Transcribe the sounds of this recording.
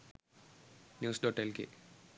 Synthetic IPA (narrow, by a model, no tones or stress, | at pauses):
njuːsɖoʈelkḛ